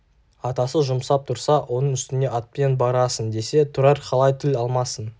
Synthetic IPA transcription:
ɑt̪ɑsəʒʊmsɑp̚t̪ʰʊɾsɑwʔo̞nəɴʏst̪ɪne̞ʔɑt̪̚pe̞nbɑɾɑsənd̪e̞se̞t̪ʰʊɾɑɾqʰɑlˠɑjt̪ʰɪlɑlˠmɑsən

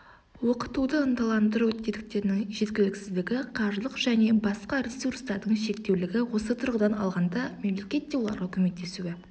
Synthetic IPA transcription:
woqə̥t̪ud̪əənd̪ɑlˠɑnd̪əɾuɵt̪̚ːed̪ɪk̚t̪e̞ɾnɪŋʒe̞t̪ɡʲɪlɪksɪzd̪ɪɡʲɪqʰɑʒlˠəqʒæne̞bɑsqɑɾʲesurst̪ɑɾd̪əɴʃe̞kt̪e̞wlɪɡʲɪwo̞sət̪ʰʊɾʁəd̪ɑnɑ̰lˠʁɑnd̪ɑme̞mle̞kʲe̞t̪d̪ːewo̞lˠɑ̰ɾʁɑkʲʰɵme̞t̪ːe̞suɡe

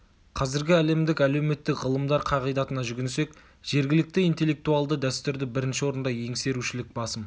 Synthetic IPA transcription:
qʰɑzɪɾɡʲɪæle̞md̪ɪkæle̞wme̞t̪ːɪkʁəlˠəmd̪ɑɾqʰɑʁijd̪ɑt̪ənɑʒʏɡʲɪnse̞k | ʒ̥e̞ɾɡʲɪlɪk̚t̪ɪijnt̪elːe̞k̚t̪uɑlˠd̪əd̪æst̪ʏɾd̪ɪbɪɾɪnʃɪwo̞ɾənd̪ɑje̞ŋse̞ɾuʃɪlɪk̚bɑsəm

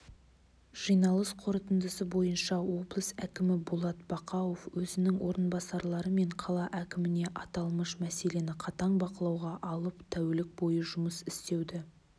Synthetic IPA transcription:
ʒ̥əjnɑlˠəsqʰo̞ɾət̪ənd̪əsəbo̞jənʃɑwo̞blˠəsækʲɪmɪbulˠɑt̪bɑqɑwo̞fwɵzɪnɪŋwo̞ɾənbɑsɑɾlˠɑɾəme̞ɴqʰɑlˠɑʔækʲɪmɪne̞ʔɑt̪ɑlˠməʃmæse̞le̞nɪqʰɑt̪ɑɴbɑqəlˠɑwʁɑʔɑlˠəpt̪ʰæwelɪk̚bo̞jəʒʊməsɪst̪e̞wd̪ɪ

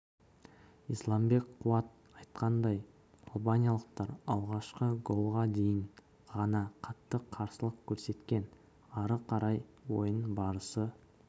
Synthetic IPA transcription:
islˠɑmbe̞kqʰːʊɑt̪̚ | ɑjt̪qɑnd̪ɑj | ɑlˠbanʲijalˠəq̚t̪ɑɾɑlˠʁɑʃqəɡo̞lˠʁɑd̪e̞jɪɴ | ʁɑnɑqʰɑt̪ːəqʰːɑɾsəlˠəqkʲʰɵɾse̞t̪kʲe̞n | ɑɾəqʰɑɾɑjwo̞jənbɑɾəsə

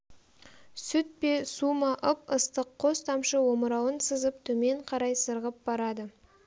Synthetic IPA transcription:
sʏt̪̚pe̞sumɑʔəp̚əst̪əqʰːo̞st̪ʰɑmʃəwo̞məɾɑwənsəzəp̚t̪ʰɵme̞ɴqʰɑɾɑjsəɾʁəp̚b̥ɑɾɑd̪ə

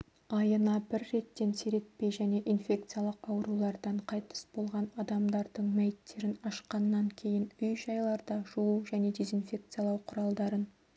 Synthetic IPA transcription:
ɑjənɑbɪɾːe̞t̪ːe̞nseɾe̞t̪̚pe̞jʒæne̞ʔinfʲe̞k̚t̪sɨjalˠəqɑwəɾulˠɑɾd̪ɑɴqʰɑjt̪ə̥sbo̞lˠʁɑnɑd̪ɑmd̪ɑɾd̪əɴmæjɪt̪ːe̞ɾɪnɑʃqɑnːɑŋkʲʰe̞jɪnʏjʒɑjlˠɑɾd̪ɑʒuuʒæne̞d̪e̞zinfʲe̞k̚t̪sɨjalˠɑwqʰʊɾɑlˠd̪ɑɾən

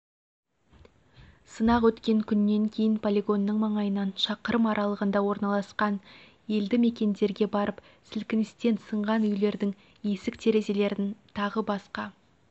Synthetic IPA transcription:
sənɑqwɵt̪kʲe̞ŋkʲʰʏnːe̞ŋkʲʰe̞jɪnpʰolʲeɡo̞nːəɴmɑɴɑjənɑnʃɑqəɾəmɑɾʔɑlˠəʁənd̪ɑwo̞ɾnɑlˠɑsqɑn | je̞ld̪ɪme̞kʲe̞nd̪e̞ɾɡʲe̞bɑɾʔəp | sɪlkʲɪnɪst̪e̞nsəɴʁɑnʏjle̞ɾd̪ɪŋ | je̞sɪkt̪ʰe̞ɾe̞ze̞le̞ɾɪnt̪ʰɑʁəbɑsqɑ

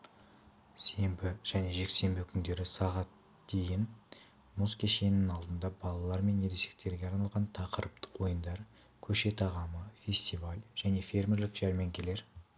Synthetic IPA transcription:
se̞mbɪʒ̥æne̞ʒe̞kse̞mbɪkʲʰʏnd̪e̞ɾɪsɑʁɑt̪ | d̪̥e̞jɪn | muskʲʰeʃe̞nɪnɑlˠd̪ənd̪ɑbɑlˠɑlˠɑɾme̞nːeɾese̞̥k̚t̪ʰe̞ɾɡʲe̞ɑɾnɑlˠʁɑnt̪ʰɑqəɾəp̚t̪ʰə̥qwo̞jənd̪ɑɾ | kʲʰɵʃe̞t̪ʰɑʁɑməfʲe̞sʲt̪ivalʲʒ̥æne̞fʲe̞rmʲe̞ɾlɪkʒ̥æɾmeŋkʲʰele̞ɾ

